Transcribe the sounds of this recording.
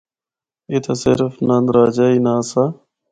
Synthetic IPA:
it̪ʰɐsɪ̰ɾfnɐnd̪ɾaːd͡ʒainaːsa

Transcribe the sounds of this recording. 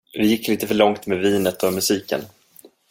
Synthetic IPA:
vɪjɪkːliːt̪əfœɭɔŋt̪meːviːnət̪ɔmɵsiːkə̰n

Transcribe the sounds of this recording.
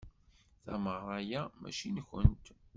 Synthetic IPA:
θæməʁɾˤɑjæmæ̰ʃinçənt̪

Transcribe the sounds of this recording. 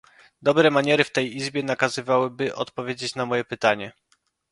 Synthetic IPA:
d̪ɔbɾɛmaɲɛɾɘft̪ɛjizbʲjɛnakazɘvawɘbɘʔɔ̰t̪pɔvʲjed͡ʑet͡ɕnamɔjɛpɘt̪aɲɛ

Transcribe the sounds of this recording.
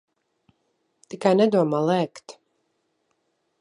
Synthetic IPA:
t̪ikajnɛd̪uɔmaːlˠɛːkt̪

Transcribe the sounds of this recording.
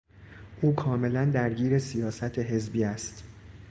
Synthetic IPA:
ʔuːkʰɒːme̞lænd̪æɾɟiːɾe̞sijɒːsæt̪ʰeɦe̞zbiːæst̪

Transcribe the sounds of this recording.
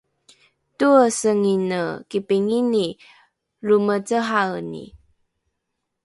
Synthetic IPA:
tuəsəŋinəkipiŋini | ɾumət͡səɦanḭ

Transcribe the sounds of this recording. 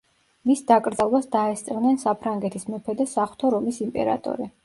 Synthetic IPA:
misd̪akʼɾd̪zalˠbasd̪aɛst̪sʼɛvnɛnsapʰɾaŋɡɛt̪ʰismɛpʰɛd̪ɛsaχwt̪ʰɔɾɔmisimpʼɛ̰ɾa̰t̪ʼɔ̰ɾi

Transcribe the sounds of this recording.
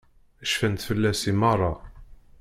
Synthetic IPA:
æʃfənt̪fəlːæsimɑrˤːɑ

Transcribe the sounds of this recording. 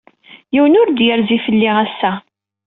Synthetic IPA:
jiwənʊɾd̪jəɾzifəlːiʁæsːæ

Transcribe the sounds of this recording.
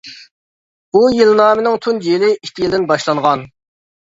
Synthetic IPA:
bujilnɑːmɪnɪŋt̪ʰunelɪʔikʲʰːijilˠd̪ɪnbɑʃlˠɑɴʁɑn

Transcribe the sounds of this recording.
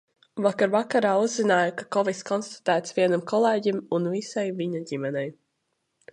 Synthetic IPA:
vakaɾvakaɾaːuzzinaːjakakɔviskɔnst̪ḁt̪æːt̪sviɛnamkʰɔlˠeːɟimunvisajviɲaɟimɛnɛj

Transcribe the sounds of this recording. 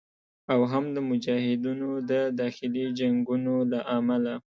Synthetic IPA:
awɦamd̪əmʊd͡ʒɑhɪd̪inod̪əd̪ɑxɪlid͡ʒaŋɡunolaʔamala

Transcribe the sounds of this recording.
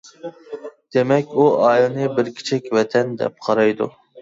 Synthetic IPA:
d̪̥emɛkʲuɑːjlˠnɨbɪɾkʲʰi̥t͡ʃʰɪkʲvɛt̪ʰɛnd̪ɛ̰p̚qʰɑɾɑjd̪ṵ

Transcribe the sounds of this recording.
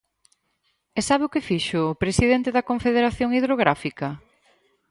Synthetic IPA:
esaβeʊkɪfiʃʊpɾesiðent̪eðɐkoɱfeðeɾaθjoŋiðɾoɣɾafikɐ

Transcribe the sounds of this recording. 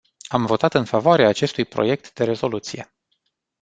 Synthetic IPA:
amvo̞t̪at̪ɨnfavoaɾeaːt͡ʃe̞st̪ujpɾo̞̰je̞k̚t̪d̪e̞ɾe̞zo̞lut̪sije̞

